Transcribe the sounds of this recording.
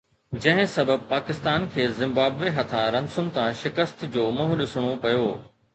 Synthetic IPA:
d͡ʑɐ̃ɦɪ̃sɐbəb̚paːkɪst̪aːnkʰeːzɪ̃mbaːbʋeɦɐt̪ʰãɾɐmsʊnɪ̆t̪ãʃɪkəst̪d͡ʑoːmɐɦuɗɪsɽ̃opɐjoː

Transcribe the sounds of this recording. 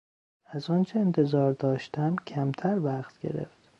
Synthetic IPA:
æzɒːnt͡ʃʰeːnt̪ʰe̞zɒːɾd̪ɒːʃt̪æmcʰæmt̪ʰæɾvæχt̪ɡe̞̰ɾḛft̪

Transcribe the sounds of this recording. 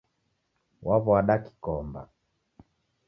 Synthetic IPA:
wʔaβɔaɗaki̥kɔmba̰

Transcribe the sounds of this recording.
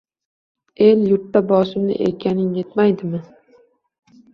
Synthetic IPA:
e̞ljʊɾt̪ːabɒsɪmnɪ̰ʔḛkʲʰanɪŋje̞t̪majd̪ɪmɪ

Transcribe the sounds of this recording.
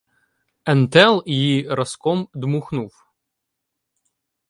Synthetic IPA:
ɛnt̪ɛlˠjiɾɐskɔmd̪muxnuw

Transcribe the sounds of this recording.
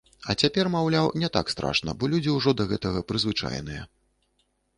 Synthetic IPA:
ɐt͡sʲapʲɛrmawlʲawnʲɛt̪a̰kst̪ɾa̰ʂnɐ̰bɔlʲud͡zʲiwʐɔd̪ɐɣɛt̪ɐɣɐpɾɨzvɨt͡ʂa̰jnɨjɛ̰

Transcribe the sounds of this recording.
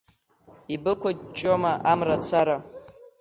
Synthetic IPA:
ibɨkʷat͡ʃʼomaʔamrat͡sʰaɾa

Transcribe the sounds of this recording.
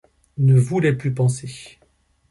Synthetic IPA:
nəvulɛplypɑ̃se

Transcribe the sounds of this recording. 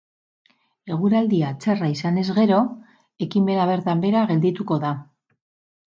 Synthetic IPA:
e̞ɣ̞uɾald̪iat͡se̞raisane̞zɣe̞ɾo̞ | e̞kime̞naβ̞e̞ɾt̪ambe̞ɾaɣe̞ld̪it̪uko̞ða

